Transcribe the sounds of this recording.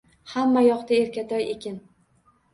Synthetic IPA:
hamːajɒqt̪aeɾkʲat̪ʰɒjekʲʰɪn

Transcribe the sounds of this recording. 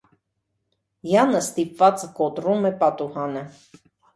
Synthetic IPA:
jɑnəst̪ipvɑt͡səkɔt̪ɾumɛpɑt̪uhɑnə

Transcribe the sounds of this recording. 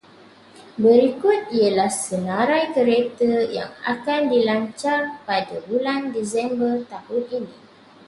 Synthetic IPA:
bəɾikʊt̪̚iəlahsənãɾajkəɾet̪əja̰ŋa̰kandilaɲt͡ʃarpadabulandisɛmbərt̪ahʊnini

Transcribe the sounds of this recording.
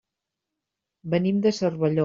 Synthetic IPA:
bənimd̪əsərβəʎo

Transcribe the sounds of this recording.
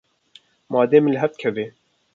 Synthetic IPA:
mɑːd̪eːmɨnlɨɦɛft̪̚kʰɛveː

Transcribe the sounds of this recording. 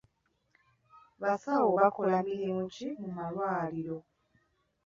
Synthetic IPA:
βasawoβakolamiɾimucimumalwaːliɾo̞

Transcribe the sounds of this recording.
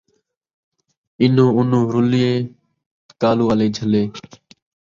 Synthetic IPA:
ɪnõːʊnõːɾʊlɪjeː | kaːluːaːleːd͡ʒʱəleː

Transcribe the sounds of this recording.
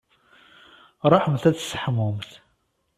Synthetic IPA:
ɾˤɑħəmθæt͡sːsħmʊmθ

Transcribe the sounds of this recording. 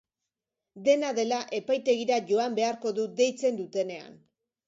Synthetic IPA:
d̪e̞naðe̞laʔe̞pajt̪e̞ɣiɾaʝo̞ambe̞aɾko̞ðud̪e̞jt͡se̞nd̪ut̪e̞ne̞a̰n

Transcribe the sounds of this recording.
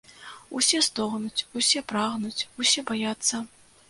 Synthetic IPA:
usʲɛst̪ɔɣnut͡sʲusʲɛpɾaɣnut͡sʲusʲɛbajat̪sːɐ

